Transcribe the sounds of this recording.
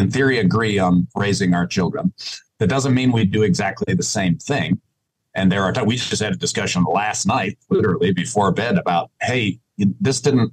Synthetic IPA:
ɨ̃nθɪɹiɨɡɹiə̃nɹeɪzɪ̃ŋaʊə˞t͡ʃʰɪlˠdɹə̰̃nðɨt̚d̥ʌzə̃nmĩnwidɨɨɡzæk̚tʰˡliðɨsẽɪ̃mθɪ̃ŋ | ʔɨ̃nðə˞ətawid͡ʒʌst̚hɨɾɨdɨskʌʃə̃n̩læstⁿnaɪt̚lɪɾə˞l̩ˠibɨfɔɹbɛɾɨbaʊt̚heɪ | ðɪsd̥ɪdⁿn̩t̚

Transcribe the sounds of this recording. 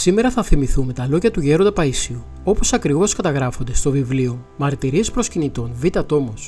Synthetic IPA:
sime̞ɾɐθɐfθimiθume̞t̪ɐlo̞ʝɐt̪uʝe̞ɾo̞nd̪ɐpɐisiu | o̞po̞sɐkɾivo̞skɐt̪ɐɣɾɐfond̪e̞st̪o̞vivlio̞ | mɐɾt̪iɾie̞spɾo̞scinit̪o̞nvit̪ɐt̪o̞mo̞s

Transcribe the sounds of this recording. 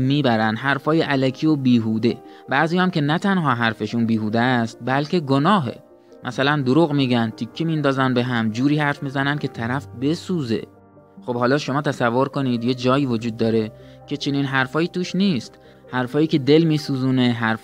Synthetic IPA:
miːbæɾænd̪ɦæɾfɒːjeʔælækʰiːobiːɦuːd̪e̞ | bæziːjɑmcʲe̞næt̪ʰænɦɒːɦæɾfeʃunbiːɦuːd̪æst̪̚bælkʰe̞ɡo̞nɒːɦḛ | mʔæsælænd̪oɾuːɣmiːɡænt̪ʰikʰːemind̪ɒːzænbe̞ɦæmd͡ʒuːɾiːhæɾfmiːzænænd̪kʰʲe̞t̪ʰæɾæfbe̞suːze̞̰ | xo̞b̥hɒːlɒːʃo̞mɒːt̪ʰæsævːo̞ɾko̞nid̪je̞d͡ʒɒːjiːvod͡ʒuːd̪̚ːɒːɾe̞cʰe̞t͡ʃʰe̞niːnɦæɾfɒːjiːt̪ʰuːʃniːst̪ | hæɾfɒːjiːcʰe̞d̪e̞lmiːsuːzuːne̞ɦæɾf

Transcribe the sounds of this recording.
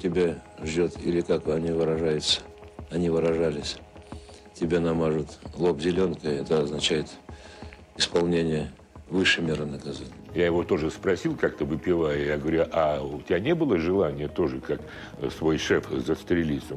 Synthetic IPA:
tʲɪbʲeʐdʲo̞t̪ḭlʲɪkakɐnʲivɨɾɐʐajʊt̪sə̥ɐnʲivɨɾɐʐalʲɪsʲ | tʲɪbʲenɐmaʐɨt̪lˠopzʲɪlʲonkəɛt̪əɐznɐt͡ɕæjɪt̪ | ɪspɐlˠnʲenʲɪjə | vɨʂɨmʲeɾɨnəkɐzanʲɪjjajɪvo̞t̪o̞ʐɨspɾɐsʲilˠkak̚t̪əvɨpʲɪvajjaɡəvɐɾʲuʔaʊtʲɪbʲanʲebɨlˠəʐɨlˠanʲɪjət̪o̞ʐɨkak | svo̞jʂɛfzəst̪ɾʲɪlʲit̪sə

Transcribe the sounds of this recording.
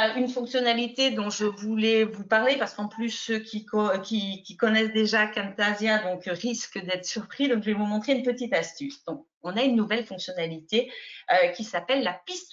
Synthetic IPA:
ynfɔ̃ksjɔnalit̪ed̪ɔ̃ʒəvulɛvupaʁlepaʁskɑ̃plysːøkʲʰikɔkʲikʲikɔnɛsd̪eʒakant̪azjɛ̃d̪ɔ̃kʁiskəd̪ɛt̪χə̥syʁpχid̪ɔ̃kʒəvɛvumɔ̃t̪χeynpət̪it̪ast̪ysd̪ɔ̃k̚ | ɔ̃naynːuvɛlfɔ̃ksjɔnalit̪eøkʲisapɛlːapist̪

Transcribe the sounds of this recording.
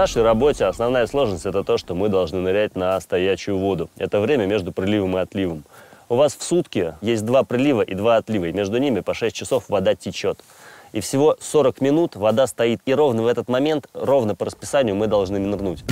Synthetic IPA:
naʂəjɾɐbo̞tʲɪɐsnɐvn̪ajəslˠo̞ʐnəsʲtʲɛt̪ət̪o̞ʂt̪o̞mɨd̪ɐlˠʐnɨnɨɾʲætʲnəst̪ɐjæɕːʊjʊvo̞d̪ʊɛ̰t̪əvɾʲemʲəmʲe̞ʐd̪ʊpɾʲɪlʲivəmɨɐt̪lʲivɨmʊvasfsut̪kʲɪjesʲt̚ʲd̪vapɾʲɪlʲivəʔɪd̪vaɐt̪lʲivəjmʲe̞ʐd̪ʊnʲimʲɪpɐʂɛsʲt̚ʲt͡ɕːɪso̞fvɐd̪atʲɪt͡ɕo̞t̪ | ifsʲɪvo̞soɾəkmʲɪnut̪vɐd̪ast̪ɐit̪iɾo̞vnəvɛt̪ət̪mɐmʲe̞nt̪ro̞vnəpəɾəspʲɪsanʲɪjʊmɨd̪ɐlˠʐnɨmʲɪnrnutʲ

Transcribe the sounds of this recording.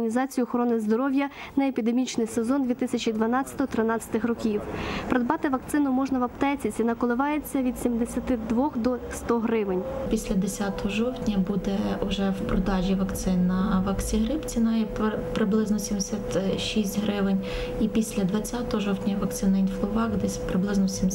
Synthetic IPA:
nʲizɑt͡sʲijʊɔxɔɾɔnɪzd̪ɔɾɔwʲjɐnɐepʲid̪emʲit͡ʃnɪjsezɔnd̪ʋʲit̪ɪsʲɐt͡ʃʲid̪ʋɐnɑt͡sʲːɐt̪ɔɦɔt̪ɾɪnɑt͡sʲɐ̥t̪ɪxrɔkʲiwpɾed̪̚bɑt̪ɪʋɐk̚t̪sɪnʊmɔʒnɐʋɐpt̪ɛt͡sʲit͡sʲinɐkɔlˠɪʋɑjet͡sʲːɐʋʲid̪sʲimd̪esʲɐt̪ɪd̪ʋɔxd̪ɔst̪ɔɦɾɪʋɪnʲpʲisʲlʲɐd̪esʲat̪ɔɦɔʒɔwtʲnʲɐbud̪ɛʊʒɛwpɾɔd̪ɑʒʲiʋɐkt̪sɪnːɐʋɐksʲiɦɾɪpt͡sʲinɑjɛppɾɪblˠɪznɔsʲimd̪esʲat̪ʃisʲtʲɦɾɪʋɪnʲ | ipʲisʲlʲɐd̪ʋɐt͡sʲat̪ɔɦɔʒɔwt̪ʲnʲɐʋɐkt̪sɪnɐinflˠɔʋɑɡd̪ɛsʲpɾɪblˠɪznɔsʲimʲ

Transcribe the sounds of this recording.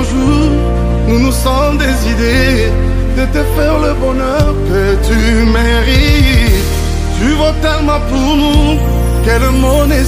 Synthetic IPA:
ʒuʁ | nunusɔmd̪ezid̪e | d̪ət̪efɛʁləbɔnœʁkə | t̪y | mɛ̃ | ʁi | t̪yvɔt̪ɛʁmapum | kɛləmone

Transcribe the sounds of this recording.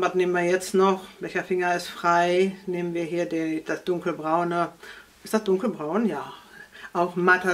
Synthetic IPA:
vatneːmənviːɐjɛt͡stnɔχvɛlçɐfɪŋɐɪstfʁ̥aɪneːmənviːɐɦiːɐdid̥asd̥ʊŋkl̩bʁaʊnə | ɪstd̥asd̥ʊŋkl̩bʁaʊnjaːʔaʊxmatɐ

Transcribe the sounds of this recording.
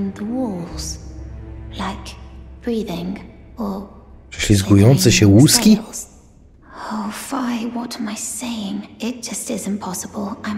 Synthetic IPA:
nðəwɔlˠz̥ | laɪkb̥ɹiðɪ̃ŋəʃʃizɡiɔ̃nsəʃɛwuski | oʊfaɪwʌɾə̃maɪseɪɪ̃ŋɪt̚d̥ʒ̥ʌstɪzɨ̃mpʰɑsəbəlˠãɪ̃

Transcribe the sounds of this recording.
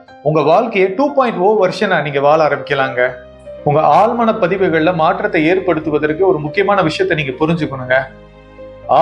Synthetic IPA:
ʊŋɡɐʋaːɭkɐjɐʈuːpoːɪ̃ɳʈfoːʋɐɾʂɐ̃naːniːŋɡɐʋaːlɐːɾɐmbɪkːɐlãːŋɡɐ | ʊŋɡɐʔaːlmaːnɐpɐðɪʋɐɣɐɭlɐmaːʈrɐt̪ːɐeːɾpɐɽɯt̪ːɯʋɐðɐɾkːɯɔɾɯmʊkːɪjɐmaːnɐʋɪʂɐjɐt̪ːɐniːŋɡɐpʊɾɪɲd͡ʒɯkːɐɳɯŋɡɐ | aː

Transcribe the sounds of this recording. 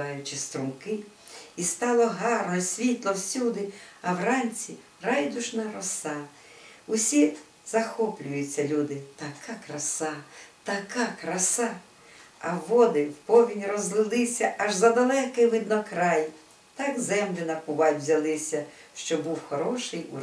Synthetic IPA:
ɑjʊt͡ʃɪst̪ɾʊmkɪ | ist̪ɑlˠɔɦɑrnɔsʲʋʲit̪lˠɔwsʲud̪ɪɐwrɑnʲt͡sʲi | rɑjd̪ʊʒnɐɾɔsɑ | ʊsʲi | zɐxɔplʲʊjʊt͡sʲːɐlʲud̪ɪt̪ɐkakɾɐsɑt̪ɐkakɾɐsɑ | ɐʋɔd̪ɪwpɔʋʲinʲrɔzlˠɪlˠɪsʲɐɐʒzɐd̪ɐlˠɛkɪjʋɪd̪nɔkɾɑj | t̪ɑɡzɛmlʲʊnɐpʊʋɑtʲwzʲɐlˠɪsʲɐʃt͡ʃɔbuwxɔɾɔʃɪjṵ

